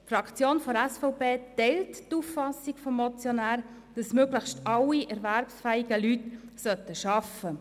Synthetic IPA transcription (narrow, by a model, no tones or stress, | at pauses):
fɾɑkt͡sjoːnfɔdɛsfɔʊbeːt̪ɛɪlttuffɑsiɡ̥fɔmːɔt͡sjɔnæːɾ | d̥ɑsmøːɡləxʃtɑliʔɛɾvæɾpsfæːiɡəlytsœt̪ːəʃɑfə